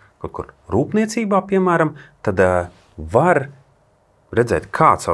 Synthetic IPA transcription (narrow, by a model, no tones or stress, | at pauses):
kawt̪̚kṵɾɾuːpniɛt̪siːbaːpiɛmæːɾamt̪ad̪ | vaɾ | ɾɛd̪zɛ̰ːt̪kʰaːt̪sa